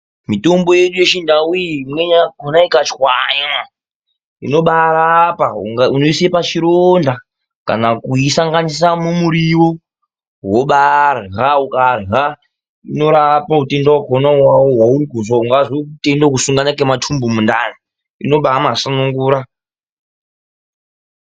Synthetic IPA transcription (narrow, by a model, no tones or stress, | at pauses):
mito̞mbo̞jeɗujet͡ʃindawuimwe̞ɲaɡʱonaikat͡ʃwaɲa | ḭno̞ɓaɾapaṵŋaunoisepat͡ʃiɾonda | ka̰nakuisaŋɡanis̬amumuɾiwo | woɓarɦaukarɦa | ino̞ɾapaute̞ndawaɡʱonawawoɦwauɾiɡʱozauŋɡazikutendakusuŋɡanakematʰumbumundani | ḭno̞ɓamasanuŋɡuːɾa